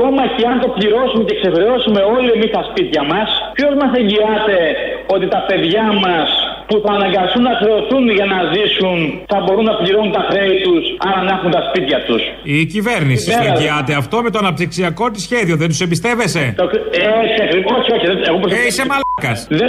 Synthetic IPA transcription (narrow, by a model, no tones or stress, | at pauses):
komɐceɐnt̪o̞pliɾo̞sumecekse̞xɾeo̞sume̞o̞lie̞mist̪ɐspit̪çɐmɐspço̞zmɐse̞ɲɟiɐt̪e̞o̞t̪it̪ɐpe̞ðʝɐmɐspuθɐːnɐŋɡɐsunːɐxɾe̞oθunʝɐnɐzisunθɐbo̞ɾunːɐpliɾo̞nunt̪ɐxɾeit̪usɐɾɐnɐxunt̪ɐspit̪çɐt̪us | iciveɾnissiiɐt̪eɐft̪o̞me̞t̪o̞ɐnɐp̚t̪iksiɐko̞t̪isçe̞ðio̞ðent̪usembist̪e̞ve̞se̞t̪oesiɐkɾioçio̞çiðeeɣopɾseisemɐlkɐsðe